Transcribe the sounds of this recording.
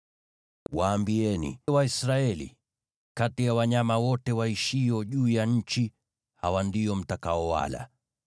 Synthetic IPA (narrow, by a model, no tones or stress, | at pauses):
waːmbiɛnḭwaisɾaɛlḭ | katijawaɲamawɔtɛwaiʃiɔʄuːjaɲ̩t͡ʃi | hawandiɔm̩takaɔwa̰la̰